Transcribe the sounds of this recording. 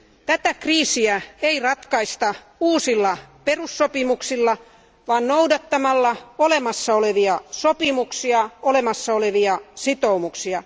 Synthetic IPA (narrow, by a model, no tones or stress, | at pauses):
t̪æt̪ækriːsiæeirɑt̪kɑist̪ɑ | uːsilːɑperusːopimuksilːɑ | ʋɑːnnoudɑt̪ːɑmɑlːɑolemɑsːɑoleʋiɑsopimuksiɑolemɑsːɑoleʋiɑsit̪oumuksiɑ